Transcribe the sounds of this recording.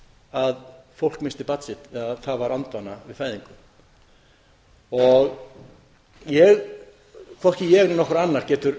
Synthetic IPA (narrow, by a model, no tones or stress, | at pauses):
aðfowl̥kmɪnst̪ɪpat̪sɪht̪ɛaðθavaɾant̪vaːnːavɪðfaːjðiŋkʏm | ɔɣ | jɛɣ | kʰvɔhcɪjɛːɣɾɪnɔhkɾanːaɾ̥cɛːt̪ʏɾ